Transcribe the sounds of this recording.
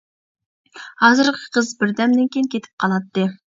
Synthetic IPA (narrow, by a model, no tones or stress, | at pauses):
hɑzɨɾqʰə̥qʰəzbɪɾd̪ɛmd̪ɪnkʲejnkʲʰet̪ʰɪ̥p̚qʰɑlˠɑt̪ːɨ